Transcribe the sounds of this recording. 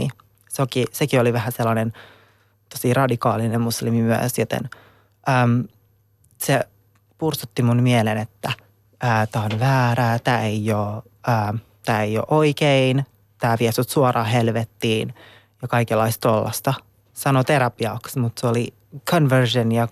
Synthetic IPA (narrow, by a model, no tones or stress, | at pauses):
i | sokisekioliʋæhæselːɑnen | t̪osirɑdikɑːlinemmuslimimyə̰sjot̪ḛn | ʔəːm | se | pursut̪ːimunmiɛlenet̪ːæ | ʔəːt̪æːonʋæːɾæːt̪æːeioː | əː | t̪æːejo̰ʔoikein | t̪æːʋiesyt̪suɑɾɑːɦelʋet̪ːiːn | jɑkɑikelːɑist̪olːɑ̰st̪ɑ | sɑnot̪eɾɑpiɑksmut̪seoli | kʰonʋørʒenjɑ